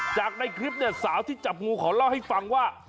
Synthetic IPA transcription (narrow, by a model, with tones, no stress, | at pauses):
t͡ɕaː˨˩k̚na˧jkʰɾi˦˥p̬̚ni˥˩ɐsaː˩˦wt̪ʰiː˥˩t͡ɕa˨˩p̚ŋuː˧kʰɔː˩˦la˧˩wha˥˩jfa˧ŋwaː˥˩